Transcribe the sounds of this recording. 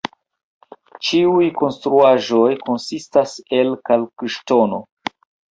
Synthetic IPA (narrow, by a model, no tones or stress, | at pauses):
t͡ʃiujko̞nstɾuaʒo̞jko̞nsistase̞lkalkiʃtono